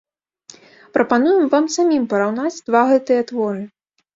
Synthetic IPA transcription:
pɾɐpanujɛmvamsamʲimpɐɾawn̪ad͡zʲd̪̥vaɣɛt̪ɨjɐt̪vɔɾɨ

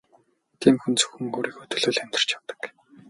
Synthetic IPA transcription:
t̪ʰiːmxunt͡sɵ̥xɵ̆ŋoːɾiːkɵt̪ɵ̆ɮɵ̆ːɮæm̥ʲt̪ɪ̆r̥t͡ɕawt̪ə̥̆k

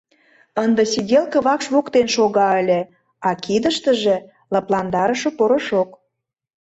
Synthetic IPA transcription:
ənd̪ə̆sidʲelkə̆βɑkʃβokt̪enʃoɣɑəlʲĕ | ɑkid̪ə̆ʃt̪ə̆ʒĕ | lɑplˠɑnd̪ɑɾə̆ʃŏpoɾəʃok

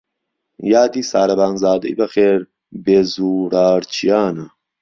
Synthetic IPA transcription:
jaːd̪iːsaːɾɐbaːnzaːd̪ɐ̰jbɐxeːɾ | bezuːɾaːɾt͡ʃʰijaːnɐ

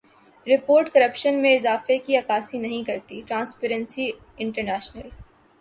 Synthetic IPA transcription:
ɾɪpoːɾʈkɐɾəpʃənmẽɪzaːfekiɐkaːsinɐɦĩkɐɾt̪iʈɾãːnspeːɾə̃nsi | ɪ̃ɳʈəɾnɛːʃnəl

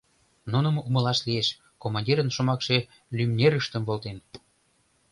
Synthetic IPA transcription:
nunə̆mumə̆lɑʃlieʃ | komɑnʲdʲiɾənʃomɑkʃe̽ | lymnʲeɾəʃt̪əmvolt̪en

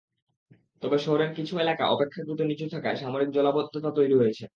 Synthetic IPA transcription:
t̪ɔbeʃoɦɾenkit͡ɕʰuelaka̰ʔɔpekʰːaɡ̪ɾut̪onit͡ɕut̪ʰakaeʃamoɾik̚d͡ʑɔlabod̪ʱːot̪at̪ojɾiɦojet͡ɕʰe

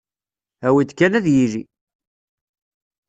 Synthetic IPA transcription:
æwid̪kːænæðjilḭ

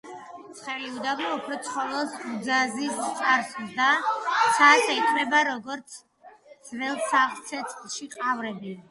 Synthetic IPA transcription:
t̪sʰχɛliud̪aɡɔɔpʰɾɔt̪sʰχɔlˠɔsud̪zazist̪ʼaɾsd̪asʰaʃɛit̪ʰmɛbaɾɔɡɔɾt̪sʰ | z̥vɛlˠsaχlt̪sʰɛt̪sʼχʼlʃiqʼavɾɛbi

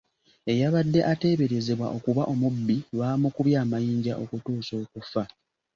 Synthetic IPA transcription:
e̞jaβadːe̞ʔate̞ːβe̞ɾe̞ze̞βwa̰ʔo̞kuβaʔo̞mubːilwaːmukuβjaːmajiːɲɟaʔo̞kutuːso̞ːkufa

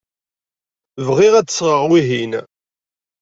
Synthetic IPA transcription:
vʁiʁæt͡sːə̥sʁəʁwiɦin

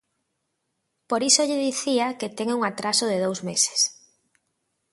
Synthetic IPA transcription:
poɾisoʎɪðiθiaket̪ɛŋuŋat̪ɾasʊðeðowzmese̥s

